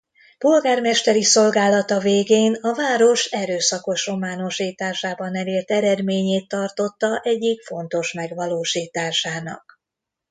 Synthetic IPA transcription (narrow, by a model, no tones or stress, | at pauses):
po̞lɡaːrmɛʃt̪ɛɾiso̞lɡaːlɒt̪ɒveːɡeːnɒvaːɾo̞ʃɛɾøːsɒko̞ʃo̞maːno̞ʃiːt̪aːʃaːbɒnɛleːrt̪ɛɾɛd̪meːɲeːt̪ːɒrt̪o̞t̪ːɒʔɛɟːikfo̞nt̪o̞ʃmɛɡʋɒloːʃiːt̪aːʃaːnɒ̰k